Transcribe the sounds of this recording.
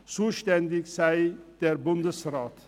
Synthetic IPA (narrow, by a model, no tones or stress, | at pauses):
suʃt̪ɛnd̪ɪkʲsæjd̪̥ɛɾbʊmd̪əsɨɾɑt̪